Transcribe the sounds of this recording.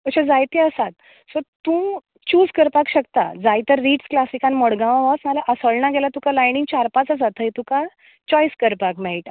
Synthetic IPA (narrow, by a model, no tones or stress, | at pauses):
kəɕãd͡zajt̪eəsat̪ | sɔt̪ũ | t͡ɕuːd͡zkəɾpakɕək̚t̪a̰d͡zajt̪əɾːiːʈsklasikanmɔɽɡãʋãʋasməlaʔəsəɭɳaɡelat̪ũkalajɳiŋɡt͡ɕaɾpat͡sas̬at̪ʰəjt̪ũka | t͡ɕɔjskəɾpakmɛɭʈa